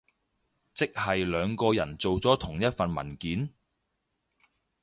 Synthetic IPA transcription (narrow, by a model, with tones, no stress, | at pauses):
t͡sɪ˥k̚hɐ˨jlœː˨˧ŋkɔː˧jɐ˨˩nt͡so˨wt͡sɔː˨˥t̪ʰʊ˨˩ŋjɐ˥t̚fɐ˨nmɐ̰˨˩nkiː˨˥n